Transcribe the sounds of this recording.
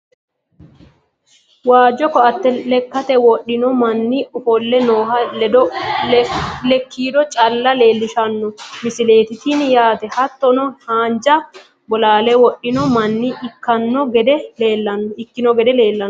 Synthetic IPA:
waːd͡ʒɔkɔɐt̪ːɛlɛkːɐt̪ɛwɔɗːɪnɔmɐnːɪfɔlːɛnoːɦɐlɛd̪ɔ | lɛkːiːd̪ɔt͡ʃʼɐlːɐle̞ːlːɪʃɐnːɔmɪsɪle̞ːt̪ɪt̪injaːt̪ɛhɐt̪ːɔnɔhaːnd͡ʒɐ | bɔlaːlɛwɔɗːɪnɔmɐnːɪʔɪkːɐnːɔɡɛd̪ɛleːlːɐnɪkːɪnɔɡɛd̪ɛle̞ːlːɐn

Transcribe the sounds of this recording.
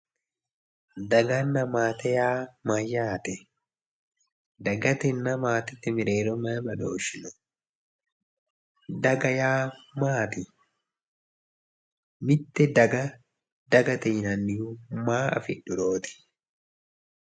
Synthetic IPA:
d̪ɐɡɐnːɐmaːt̪ɛjaːmɐjːaːt̪ɛ | d̪ɐɡɐt̪ɪnːɐmaːt̪ɪt̪ːɪmɪɾeːɾɔmɐbɐdoːʃɪnʊ | d̪ɐɡɐjaːmaːt̪ɪ | mɪt̪ːɛd̪ɐɡɐ | d̪ɐɡɐt̪ɛjnɐnːɪjumaːɐ̰fɪ̰ɗʊɾoːt̪ɪ̥

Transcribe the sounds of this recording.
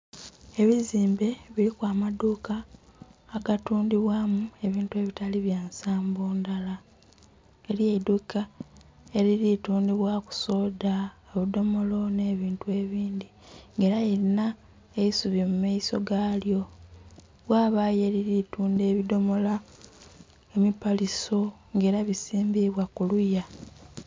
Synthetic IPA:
e̞βiziːmbe̞βilikwaːmaduːkaː | ɡatuːndiβwaːmue̞βiːntue̞ːβitaliβjaːnsaːmboːndala | eɾje̞duːkʰa | e̞ɾiɾituːndiβwaku̥so̞ːdaeβido̞mo̞lo̞ne̞ːβiːntue̞ːβiːnd̪i | ŋɡe̞ːɾaeɾina | eisuβimumaiso̞̰ɡaljo̞ | βwaːβaːje̞ɾiɾituːnde̞ːβido̞mo̞la | emipaliso̞ | ŋɡe̞ːɾaβisiːmbiβwakuluja

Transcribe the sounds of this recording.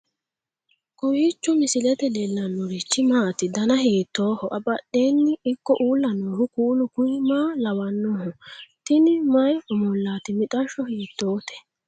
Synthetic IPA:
kɔwiːt͡ʃːʊmɪsɪlɛt̪ɛlelːɐnːɔɾɪt͡ʃːɪmaːt̪ɪd̪ɐnɐɦeːt̪ːo̞ːhɔʔɐbɐɗːeːnːɪːkːɔʔuːlːɐnoːhʊkuːnʊkʊjɪmaːlɐwɐnːɔhʊt̪ɪnɪmɐjɔmɔlːaːt̪ɪmɪt̪ʼɐʃɔhiːt̪ːoːt̪ɛ̥

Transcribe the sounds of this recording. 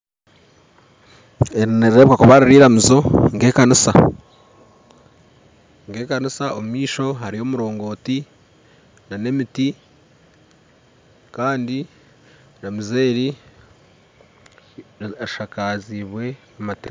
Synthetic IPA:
enɾeβakuβaɾiɾiːɾamuzo̞ŋɡe̞ːkanisa̰ | ŋɡe̞ːkanisaomumiːʃo̞ɦaɾijo̞ːmuɾo̞ːŋɡo̞ːti | nane̞miti | kaːndi | namuzeːɾi | ɾuʃakaːziβwe̞ | umatiɾi

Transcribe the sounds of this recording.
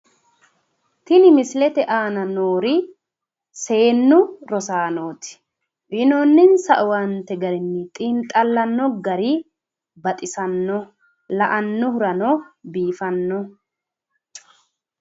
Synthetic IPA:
t̪ɪnɪmɪslɛt̪ɛʔaːnɐnoːɾi | se̞ːnːʊɾɔsaːnoːt̪ɪ̥ | ʔɪnoːnːɪnsɐʔʊwɐnt̪ɛɡɐɾɪnːɪt̪ʼiːnt̪ʼɐlːɐnːɔɡɐɾi | bɐt̪ʼɪsɐnːɔ | lɐʔɐnːɔhʊɾɐnobiːfɐnːɔ

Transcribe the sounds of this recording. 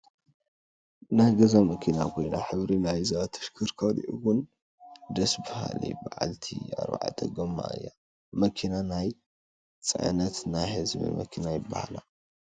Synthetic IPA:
najɡɐzamɐkʰinakʰojna̰ħɨβɾinajzat̪ʰɨ̥ʃkʰɨɾkʰɐβlḭʔuwʊn | d̪ɐsbɐha̰lḭjbaʕalt̪ʰia̰ɾwaʕa̰t̪ʼɐɡɐmːa̰ʔɨ̰jːa | mɐkʰinanaj | t͡sʼɨ̰ʕɨnɐt̪najhɨzβɨ̰mɐ̰kʰinajɪbːa̰ha̰la

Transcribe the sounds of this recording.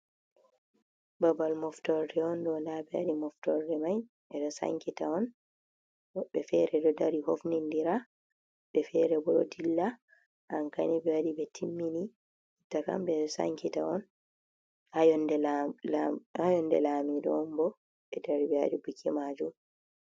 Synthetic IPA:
babalmɔftɔɾdɛɔndɔnabɛwa̰ɗimɔftɔɾtɛmaj | ɛɗɔsa̰ŋkitaɔn | ɔɓɛfɛɾɛɗɔdaɾihofnindiɾa | bɛfɛɾɛbɔɗɔ̰dilːa | ʔaŋka̰nibɛwaɗibɛtʰimːini | tːaka̰mbɛɔsa̰ŋkitaɔn | ajɔndɛ | ajɔndɛ̰lamiɗɔmbɔ | ɓɛdaɾibɛwa̰ɗibukʰːimad͡ʒu

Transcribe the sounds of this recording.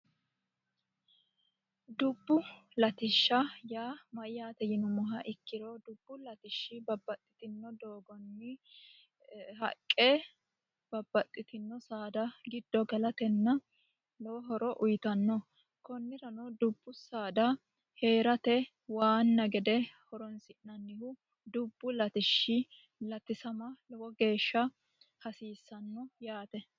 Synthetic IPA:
d̪ʊbːʊlɐt̪ɪʃːɐjaːmɐʔɪjaːt̪ɛjɪnʊmɔɦɐʔɪkːɪɾoːd̪ʊb̥ːʊlɐt̪ɪʃːɪbɐbːɐt̪ʼːɪ̥t̪ɪnːɔd̪oːɡɔnːɪ | hɐ̰kʼːɛ | b̥ɐbːɐt̪ʼːɪt̪ɪnːɔsaːd̪ɐɡɪd̪ːɔɡɐlɐt̪ɛnːɐ | lɔwɔɦɔɾɔʔʊjt̪ɐnːɔ | kɔnːɪɾɐnɔd̪ʊbːʊsaːd̪ɐ | he̞ːɾɐt̪ɛ | waːnːɐɡɛd̪ɛhɔɾɔnsɪʔnɐnːɪhʊ | d̪ʊbːʊlɐt̪ɪʃːɪ | lɐt̪ɪsɐmɐlɔwɔɡe̞ːʃːɐ | hɐsiːsːɐnːɔjaːt̪ɛ

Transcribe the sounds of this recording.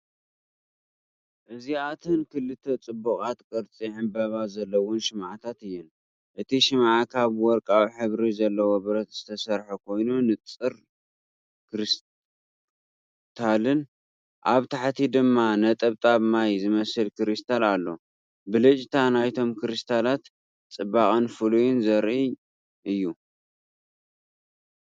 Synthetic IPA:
ʔɨziat̪ʰɐnkʰɨlːɨt̪ʰɐt͡sʼɨbukʼat̪kʼɨɾt͡sʼiʕɨmbɐβazɐlːɐwʊnʃɨmʕt̪ʰat̪ɨjːɛn | ʔɨt̪ʰiʃɪmʕakʰaβwɔɾkʼawiħɨβɾizɐlːɐwobɨɾɐt̪z̥ɨt̪ʰɐsɐɾħɐkʰo̞jnunɨt͡sʼɨɾ | kɾɨs | t̪ʰalɨn | ʔaβt̪ʰaħt̪ʰid̪ɨmːanɐt̪ʼɐβt̪ʼaβmajzɨmɐsɨlkɨɾɨst̪ʰalalːo̞ | bɨlɨt͡ʃʼt̪ʰanajt̪ʰo̞mkʰɨɾɨst̪ʰalat̪ | t͡sʼɨbːaχʼɨnfɨlujɪnzɐɾʔi | ʔɨjːu

